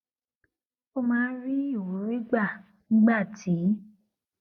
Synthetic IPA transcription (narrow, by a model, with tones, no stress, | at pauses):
o˧mãː˦ɾi˦i˦˨wu˨˦ɾi˦ɡ͡ba˦˨ | nĩ˨˦ɡ͡ba˦˨tʰi˨˦